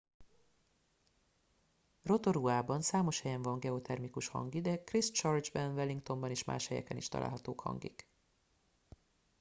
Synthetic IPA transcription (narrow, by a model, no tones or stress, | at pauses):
ro̞t̪o̞ɾuaːbɒnsaːmo̞ʃhɛjɛɱvɒŋɡɛo̞t̪ʰɛrmikuʃhɒ̰ŋɡid̪ɛkrist͡ʃɒrd͡ʒbɛnvɛliŋkt̪o̞mbɒneːʃma̰ːʃhɛjɛ̰kɛnḭʃt̪ɒla̰ːlɦɒt̪oːkhɒ̰ŋɡḭk